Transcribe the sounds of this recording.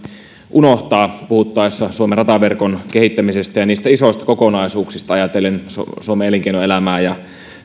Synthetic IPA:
ʔunoht̪ɑːpuhut̪ːɑesːɑsuomerɑt̪ɑʋerkonke̞ɦit̪ːæmisest̪æjɑniːst̪æiso̞ist̪ɑ̥kokonɑisuːksist̪ɑɑjɑt̪elːenssuomeeleŋkeinoelæmæːjɑ

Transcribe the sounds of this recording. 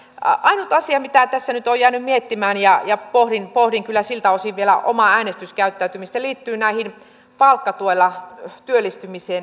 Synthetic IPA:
ɑinut̪ɑsiɑmit̪æt̪æsːænyt̪ojjæːnymmiet̪ːimæːnjɑjɑpohrinpohriŋkylːæsilt̪æosiʋʋielæ̰ʔo̰mɑæːnest̪yskæyt̪ːæyt̪ymist̪æliːt̪ːyːnæihin | pɑlkːɑt̪uolːɑt̪yølːˑist̪ymiseːn

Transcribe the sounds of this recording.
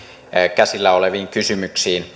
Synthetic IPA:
kæsilːæoleʋiːŋkysymyksiːn

